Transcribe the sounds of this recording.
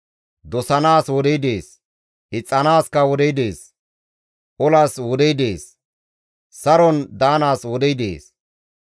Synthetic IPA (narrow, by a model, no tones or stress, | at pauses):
d̪ɔsɐnaːswɔd̪ɛjd̪eːs | ʔɪt͡sʼːɐnaːskɐwɔd̪ɛjd̪e̞ːs | ʔɔlaːswɔd̪ɛjd̪eːs | sɐɾɔnd̪aːnaːswɔd̪ɛjd̪ḛːs